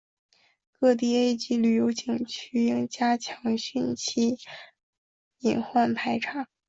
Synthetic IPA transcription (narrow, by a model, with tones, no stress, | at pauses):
kɤ˥˧t̪̬i˥˩e˥ɪt͡ɕi˧˥ly˨˩jo˧˥ʊt͡ɕi˨˩ŋt͡ɕʰy˥i˥˩ŋt͡ɕja˥t͡ɕʰjɑ˧˥ŋɕy˥˧nt͡ɕʰi˥˩ | i˨˩nxwa˥˩npʰa˧˥ɪʈ͡ʂʰa˥˦